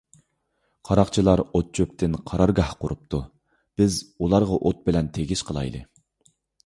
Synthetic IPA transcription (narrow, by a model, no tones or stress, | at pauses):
qʰɑɾɑqt͡ʃʰilˠɑɾot̪̚t͡ʃʰøpt̪ʰɪnqʰɑɾɑɾɡɑhqʊɾup̚t̪ʰu | b̥ɪzulˠɑɾʁɑʔot̪̚bɪlɛnt̪ʰeɡʲiʃqʰəlˠɑ̰jd̪ɨ̰